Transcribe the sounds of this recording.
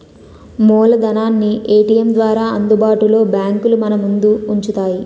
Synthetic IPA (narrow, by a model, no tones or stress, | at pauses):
mɔːlɐd̪ɐnaːnːiʔeːʈijemd̪ʋaːɾaːɐnd̪ubaːʈulo̞ːbjaːŋkulumɐnɐmund̪uːɲt͡ʃut̪aːji